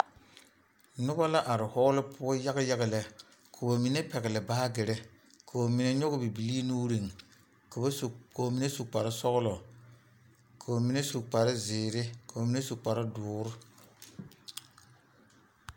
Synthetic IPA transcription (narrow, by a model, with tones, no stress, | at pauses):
nʊ˦ba˦la˦ʔa˨ɾɪ˨hɔ˦ɣlɪ˦pʰʊ˦ɔ˦ja˦ɣɪ˦ja˦ɣɪ˦˨lɛ˨ | kʰo˨ba˨mi˨ne˦pɛ˨ɣɪ˨lɪ˨baː˦ɡɪ˨ɾɪ˦ | kʰo˨o˨mi˨ne˦ɲo˦ɣʊ˦bi˨bi˨li˦nuː˦ɾi˨ŋ | kkʰo˨mi˨ne˦su˨k͡pa˨ɾɪ˦sɔ˦ɣʊ˦lɔ˨ | kʰa˨ba˨mi˨˦ne˦su˨k͡pa˨ɾɪ˦zɪː˨ɾɪ˦ko˨ba˨mi˨ne˦su˨k͡pa˨ɾɪ˦dʊː˨ɾʊ˦